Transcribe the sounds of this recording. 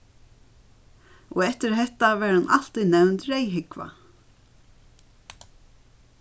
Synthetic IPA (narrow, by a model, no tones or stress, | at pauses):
ɔɛht̪ɪɾɦɛht̪avɛɾhanʔal̥t̪iðnɛwnt̪ɾejɦɪkva̰